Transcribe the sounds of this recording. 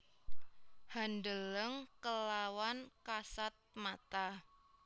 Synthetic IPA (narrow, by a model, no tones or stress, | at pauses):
handələŋkəlawankasat̪̚mat̪a